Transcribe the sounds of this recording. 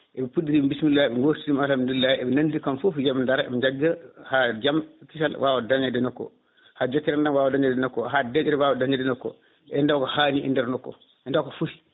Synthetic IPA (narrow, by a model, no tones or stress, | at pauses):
ʔɛbɛpuɗːiɾibismilːaɛɓɛŋɡoːɾiɾimalamndilːaɛbɛnandikamfufd͡ʒamndaɾaɛ̰bɛɲd͡ʒaɡːahad͡ʒamkiʃalwʔawɔdaɲadɛnɔkːɔ̰ | had͡ʒɔkːiɾandanwaːwɔdaɲɛdɛnɔkːɔɦaːdɛd͡ʒɛɾɛwaːwɔdaɲɛdɛnɔkːɔ̰ | ʔɛndawkɔhaːniʔɛ̰ndɛɾnɔkːɔ̰ | ʔɛndawkɔfuhi̥